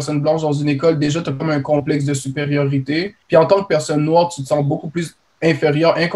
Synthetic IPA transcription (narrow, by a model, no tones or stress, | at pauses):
sɔnblɑ̃ʃd̪ɑ̃zynekɔld̪eʒat̪yakɔmɛ̃kɔ̃plɛks̬d̪əsypeʁjɔʁit̪epiɑ̃t̪ɑ̃k̚pɛʁsɔnːwaːʁt̪yt̪ə̥sɑ̃t̪̚bokuplys | ɛ̃feʁjœːʁɛ̃k